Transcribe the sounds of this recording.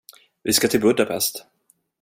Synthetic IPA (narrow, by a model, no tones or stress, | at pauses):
vɪskat̪ʰɪlbɵd̪apʰɛ̰st̪